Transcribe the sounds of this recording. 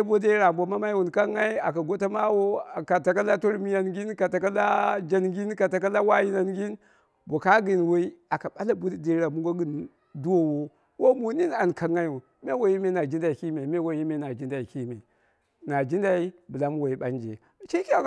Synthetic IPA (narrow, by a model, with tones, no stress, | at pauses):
e˦bo˦de˦ɾa˨mbo˨ma˦ma˦i˦wu˨nka˦ŋa˦i˦a˨ka˨ɡo˦ta˦ma˦wo˦˨ka˨ta˨ka˦la˦to˦ɾmi˦ja˦nɡi˦nka˨ta˨ka˦la˦d͡ʒa˦nɡi˦nka˨ta˨ka˦la˦wa˦ji˦na˨nɡi˦n | bo˨ka˦ɡi˨nwo˦i˦a˨ka˨ɓa˦la˦bu˦dde˨˦ɾa˨mu˦ɡo˦ɡi˨n | du˦wo˦wo˦ | wo˦mu˨ni˦na˨nka˨ŋa˦i˦wu˨n | me˦wo˦ji˦me˦na˨d͡ʒi˦n˦da˨i˨ki˦me˨me˦wo˨ji˦me˦na˨d͡ʒi˦nda˨i˨ki˦me˨ | na˨d͡ʒi˦nda˦i˦bə˨la˦m˦wo˨i˨ɓa˦nd͡ʒḛ˨ | t͡ʃi˦ki˦a˨